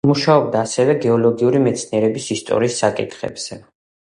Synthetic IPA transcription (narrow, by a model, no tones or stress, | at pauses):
muʃaɔb̚d̪aːsɛvɛɡɛɔlɔɡiuɾimɛt̪sʰniɛɾɛbisist̪ʼɔ̰ɾiːsːakʼḭt̪ʰχɛ̰bz̥ɛ